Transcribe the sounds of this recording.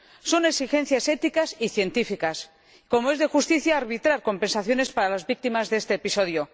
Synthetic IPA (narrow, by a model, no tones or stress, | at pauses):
so̞ne̞ksixe̞n̟θjase̞t̪ikasiθje̞nt̪ifikas | ko̞moe̞zðe̞xust̪iθjaːɾβit̪ɾaɾko̞mpe̞nsaθjo̞ne̞spaɾalazβik̚t̪imazðeest̪eːpiso̞ð̞jo